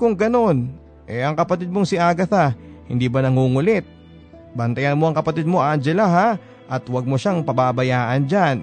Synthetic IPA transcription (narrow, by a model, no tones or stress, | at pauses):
kʊŋɡɐno̞n | ʔɛʔɐŋkɐpɐt̪ɪd̪̚moŋsɪʔaːɡɐθahɪnd̪iːbɐnɐŋuŋʊlɛt̪̚ | bɐnt̪ɐjɐnmo̞ʔɐŋkɐpɐt̪ɪd̪̚mo̞ʔand͡ʒɛlaɦa | ʔɐt̪wɐɡ̚moʃaŋpɐbabɐjaːʔɐnd͡ʒan